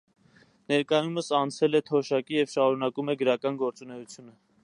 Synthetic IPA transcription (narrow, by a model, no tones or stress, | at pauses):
nɛɾkɑjuməsɑnt͡sʰɛlɛt̪ʰɔʃɑkijɛvʃɑɾunɑkumɛɡəɾɑkɑnɡɔɾt͡sunɛut͡sʰjunə